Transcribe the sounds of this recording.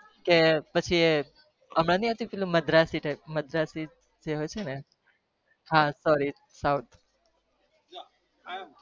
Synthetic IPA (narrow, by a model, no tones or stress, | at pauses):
kepət͡ʃʰie | əmɽanĩɦət̪upelũməd̪ɾasiʈajp̚məd̪ɾasi | d͡ʒeɦojt͡ʃʰene | ɦãsɔɾi | sawt̪